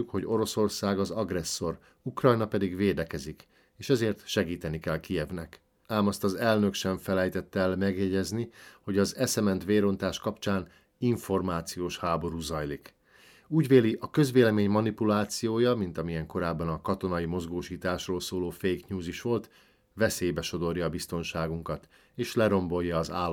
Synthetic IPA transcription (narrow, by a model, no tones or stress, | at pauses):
ukho̞ɟo̞ɾo̞so̞rsaːɡɒzɒɡrɛsːo̞r | ukrɒjnɒpɛd̪iɡʋeːd̪ɛkɛzik | eːʃɛzeːrt̪ʃɛɡiːt̪ɛnikɛlkijɛvnɛk | aːmɒst̪ɒzɛlnø̞kʃɛɱfɛlɛjt̪ɛt̪ːɛɛlmɛɡjɛɟɛzniho̞ɟɒzɛsɛmɛnt̪ʋeːɾo̞nt̪aːʃkɒpt͡ʃaːn | iɱfo̞rmaːt̪sijoːʃhaːbo̞ɾuːzɒjlik | uːɟʋeːliʔɒkø̞zʋeːlɛmeːɲmɒnipulaːt̪sijoːjɒmint̪ɒmijɛŋko̞ɾaːbːɒnɒkɒt̪o̞nɒimo̞zɡoːʃiːt̪aːʃroːlsoːloːfejkɲuːziʃʋo̞lt̪ | vɛseːjbɛʃo̞d̪o̞rjɒːbist̪o̞nʃaːɡuŋkɒt̪ | eːʃlɛɾo̞mbo̞jːɒːzaːlː